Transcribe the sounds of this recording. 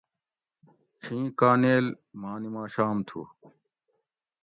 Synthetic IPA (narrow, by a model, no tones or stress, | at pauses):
t͡ɕʰĩːkaːneːl | maːnimãːɕaːmt̪ʰṵː